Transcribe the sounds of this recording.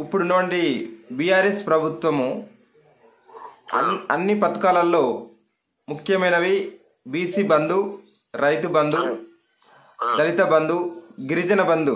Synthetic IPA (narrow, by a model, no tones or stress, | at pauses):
ipːuɽunuʋɐɳʈibijaːɾespɾɐbʱut̪ʋɐmu | ɐ̰ɐnːipɐt̪ɐ̥kaːlɐlːo̞ː | mukʰjɐmɐjnɐʋi | biːsiːbɐnd̪u | ɾɐjt̪ubɐnd̪u | d̪ɐlit̪ɐbɐnd̪uɡiɾid͡ʒɐnɐbɐnd̪u